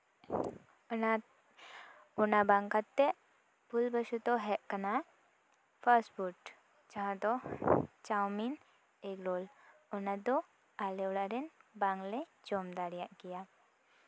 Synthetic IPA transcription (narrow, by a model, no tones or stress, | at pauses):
ɔnabaŋkat̪ːɛʔ | pulbəsut̪ɔɦɛʔkəna | pʰəɾsʈbuʈ | d͡ʒaɦãt̪ɔt͡ʃawmin | eklolɔnad̪ɔ | aleɽaɾɛnbaŋɡlɛd͡ʒɔmd̪aɾijaʔkija